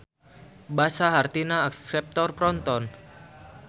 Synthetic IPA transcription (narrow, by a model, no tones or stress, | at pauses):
basaɦart̪inaːksɛp̚t̪ɔrpɾɔnt̪ɔn